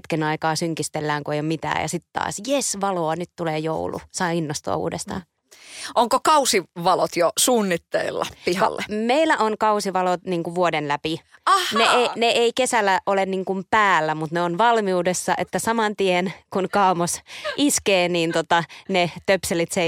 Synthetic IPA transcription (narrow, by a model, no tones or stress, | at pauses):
t̪kenɑikɑːsyŋkist̪elːæːŋkuejomit̪æ̰ːjɑ̰sit̪t̪ɑ̰ːsjesʋɑloɑnyt̪t̪uleːjo̰ulṵsɑːinːost̪ṵɑ̰ṵːdḛst̪ɑ̰ː | ʔoŋkokɑusiʋɑlot̪josuːnːit̪ːḛḭlːɑpihɑ̰lːḛmeilːˑæʔonkɑusiʋɑlot̪niːŋkuʋuodenlæpineeneʔeikesælːæʔolenniːŋkumpæːlːæmut̪neonʋɑlmiuːdesːɑʔet̪ːæsɑmɑnt̪ienkunkɑːmosʔiskeːniːnt̪ot̪ɑnet̪øpselit̪se